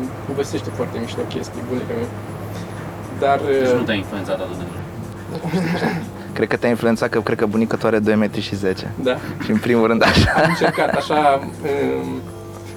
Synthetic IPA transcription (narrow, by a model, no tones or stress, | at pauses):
povese̞ʃt̪efoart̪emiʃt̪eokʲe̞st̪ijbunekəme | d̪arnut̪ʲainfluent̪sat̪at̪ot̪eno | d̪a | kɾekət̪eainfluentsat̪̚kəkɾekəbunikət̪uaɾed̪o̞jmet̪ɾʲiʃize̞t͡ʃe̞̰d̪aʃiɨmpɾimulɾɨnd̪aʃaaɨnt͡ʃerkat̪aʃaə